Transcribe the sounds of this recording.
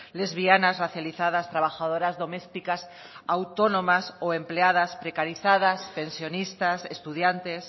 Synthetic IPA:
lezβianasraθjaliθað̞ast̪ɾaβaxað̞oɾazðo̞mest̪ikas | awt̪onõmasoempleað̞aspɾekaɾiθaðaspẽ̞nsjo̞nist̪asest̪uðjant̪es

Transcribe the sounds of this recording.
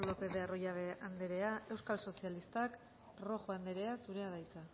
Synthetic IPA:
lope̞ðe̞arojaβ̞e̞and̪e̞ɾe̞ae̞wskalso̞sialist̪ak | ro̞xoand̪e̞ɾe̞asuɾe̞aðajt͡sa

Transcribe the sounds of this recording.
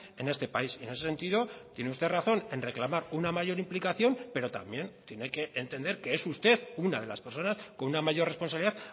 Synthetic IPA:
e̞ne̞st̪e̞paisiene̞sese̞nt̪iðo̞t̪je̞neust̪e̞raθo̞ne̞nre̞klamaɾunamaʝo̞ɾimplikaθjo̞npe̞ɾo̞t̪a̰mbje̞nt̪je̞ne̞ke̞ʔːnt̪e̞nd̪e̞ɾke̞esust̪e̞ðunaðe̞laspe̞ɾso̞nasko̞nunamaʝo̞ɾre̞spo̞nsaβliðað

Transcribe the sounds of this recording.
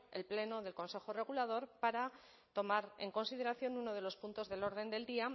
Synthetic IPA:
e̞̰lple̞no̞ðe̞lko̞nse̞xore̞ɣ̞ulað̞o̞ɾpaɾa | t̪o̞maɾe̞̰ŋko̞nsið̞e̞ɾaθjo̞nuno̞ð̞e̞lo̞spunt̪o̞zðe̞lo̞ɾð̞e̞nd̪e̞ld̪ia

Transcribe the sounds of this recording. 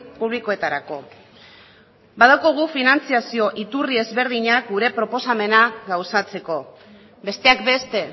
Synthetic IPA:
puβliko̞e̞t̪aɾako̞ | baðawko̞ɣ̞ufinant͡siasio̞ʔit̪urie̞zβe̞ɾð̞iɲak̚ɡuɾe̞pɾo̞po̞same̞naɣawsat͡se̞ko̞ | be̞st̪e̞akbe̞st̪e̞

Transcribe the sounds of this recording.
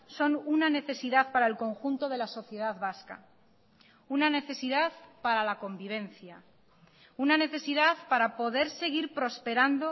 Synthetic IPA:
so̞nunane̞θe̞siðaθpaɾaelko̞ŋxunt̪o̞ð̞e̞laso̞θje̞ðaðβaska̰ | unane̞θe̞siðaðpaɾalako̞mbiβ̞ẽ̞n̟θja | unane̞θe̞siðaθpaɾapo̞ðe̞ɾse̞ɣ̞iɾpɾo̞spe̞ɾand̪o

